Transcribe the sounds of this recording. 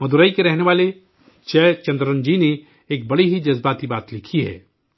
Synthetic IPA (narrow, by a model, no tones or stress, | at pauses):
mɐd̪uɾaːikeɾɛɦneʋaːle | t͡ʃɛːt͡ʃɐ̃nd̪ɾə̃nd͡ʒine | eːk̚bɐɽiɦid͡ʒɐzbaːt̪ibaːt̪lɪkʰiɦɛ̰ː